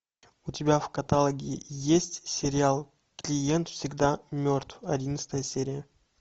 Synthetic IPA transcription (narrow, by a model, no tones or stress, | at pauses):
ʊtʲɪbʲavkɐt̪alˠəɡʲɪɪjesʲtʲsʲɪɾʲɪalˠ | klʲɪjent̪fsʲɪɡd̪amʲo̞rt̪fɐdʲinət̪st̪əjəsʲeɾʲɪjə